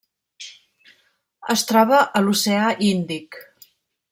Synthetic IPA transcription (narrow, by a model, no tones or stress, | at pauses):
əst̪ɾɔβ̞əʔəluseaʔind̪ik